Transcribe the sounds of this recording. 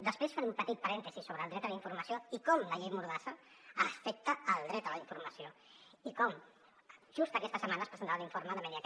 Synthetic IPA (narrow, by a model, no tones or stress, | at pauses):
d̪əspɾesfanumpət̪it̪̚pəɾɛnt̪əzisoβɾəːlˠd̪ɾɛt̪ələiɱfuɾməsioikɔmləʎejmuɾðasə | əfɛk̚t̪əːlˠd̪ɾɛt̪ələiɱfuɾməsio | ikɔm | ʒ̥ust̪əkɛst̪əsəmanəspɾəzənt̪aβəliɱfoɾməðəmɛniə